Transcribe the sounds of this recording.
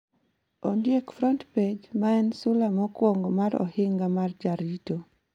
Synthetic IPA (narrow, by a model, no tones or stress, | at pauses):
ondjekfɾɔntped͡ʒmaɛnsʊlamɔkwoŋɡomaɾɔ̰hɪŋɡamard͡ʒaɾito